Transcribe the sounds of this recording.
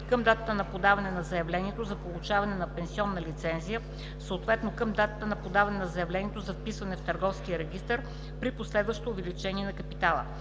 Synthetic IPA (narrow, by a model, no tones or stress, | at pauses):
kəmd̪at̪ət̪ənɐpod̪avɐnɛnɐzɐjɐvlɛnʲiɛt̪ozɐpolˠut͡ʃavɐnɛnɐpɛnsiɔnːɐlit̪sɛnzijə | soːt̪vɛt̪nokəmd̪at̪ət̪ənɐpod̪avɐnɛnɐzɐjɛvlɛniɛt̪ozɐfpisvɐnɛft̪əɾɡɔfskijəɾɛɡ̟ʲist̪əɾ | pɾiposlɛd̪vəʃt̪oːvɛlit͡ʃɛnʲiɛnɐkɐpit̪alˠə̰